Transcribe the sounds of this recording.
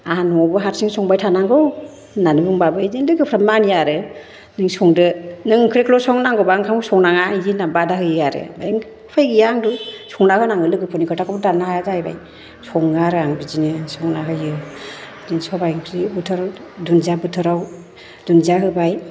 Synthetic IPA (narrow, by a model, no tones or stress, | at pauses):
aɦanɔbɯɦaɾsiŋsɔŋbajtʰanaŋɡɯw | nanɯbɯŋbabɯzilɯɡɯpʰɾamanijaɾɯ | nɯŋsɔŋdɯnɯŋkʰɾekʰlɔsɔŋnaŋɡɔbaŋkʰamsɔŋnaŋajinabadahɯjɯaɾɯ̰bajiŋ | pʰajɡɯjaŋdusɔŋnahɯnaŋɯlɯɡɯpʰɯnikʰɯtʰakʰɔbdanahajazajba̰j | sɔŋaɾɯaŋbid͡ʒinɯsɔŋnaɦɯjɯ | niŋsɔbajŋkʰɾibɯtʰɯɾadunzabɯtʰɯɾaw | dunzaɦɯbaj